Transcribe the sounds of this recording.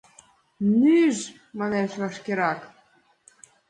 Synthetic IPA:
nyʒ | mɑleʃlɑʃkeɾɑk

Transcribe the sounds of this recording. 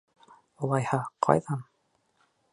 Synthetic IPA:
ulˠɑjhɑqʰɑ̰jðɑn

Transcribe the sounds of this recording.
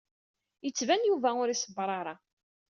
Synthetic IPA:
jət͡sːvænjuvæʊɾisəbːɾˤɑɾˤɑ

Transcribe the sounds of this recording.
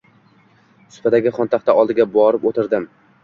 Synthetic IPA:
sʊ̥pad̪aɡʲɪχɒnt̪ʰaχt̪aʔɒlˠd̪ɪɡʲabɒɾɪpot̪ʰɪɾd̪ɪm

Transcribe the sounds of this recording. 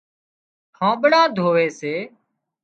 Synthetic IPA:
hʰãːɓəɽãːd̪ʱoːʋeːseː

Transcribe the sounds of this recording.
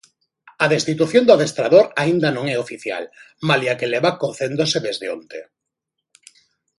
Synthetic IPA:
ɐðest̪it̪uθjond̪ʊaðest̪ɾaðoɾaind̪ɐnõŋɛofiθja̰l | maliakeleβakoθend̪oseðezðeo̰nt̪e

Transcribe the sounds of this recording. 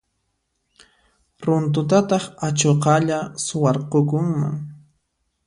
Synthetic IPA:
ɾʊnt̪̬ʊt̪̬at̪ɑχat͡ʃoqɑʎasʊwɑɾqokʊŋma̰ŋ

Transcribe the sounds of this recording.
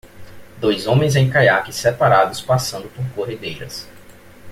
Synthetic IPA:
d̪ojzõmẽj̃zẽj̃kajakɪsɛpaɾad̪ʊspasɐ̃nd̪ʊpoɾkoɦed̪ejɾɐ̰s

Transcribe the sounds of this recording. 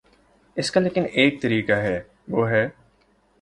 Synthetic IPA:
ɪskaleːkɪneːk̚t̪ɐɾiːkaɦɛː | ʋoːɦɛː

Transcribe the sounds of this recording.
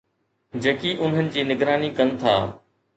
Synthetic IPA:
d͡ʑɐːkiːʔʊn̤ənɪ̆d͡ʑiːnɪɡɾaːniːkənt̪ʰa̰ː

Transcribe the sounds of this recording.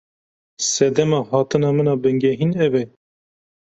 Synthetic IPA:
sɛd̪ɛmɑːhɑːt̪ɨnɑːmɨnɑːbɨŋɡɛɦinɛbɛ

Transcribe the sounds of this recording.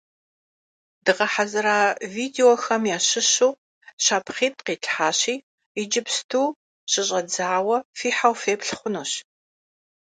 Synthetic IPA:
dɨʁɐħazɨɾaːviːdeoxɐmjaːɕɪɕuː | ɕaːpχiːtʼqiːɬʰʼħaːɕiː | id͡ʒɪpstʰuː | ɕɪɕʼɐd͡zaːwɐfiːħawfeːpɬχʷʊnuːɕ

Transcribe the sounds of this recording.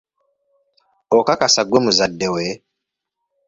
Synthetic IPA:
okakasaɡwemuzadːewe

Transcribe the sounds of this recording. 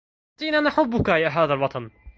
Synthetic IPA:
d̪̥iːnanaħʊbːʊkajaɦaːðalwɑt̪ʰˤɑn

